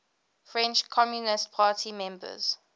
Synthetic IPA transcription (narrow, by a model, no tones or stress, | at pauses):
fɹɛ̃nt͡ʃkʰɔmjunɪstpʰaːtʰimɛ̃mbə̰z̥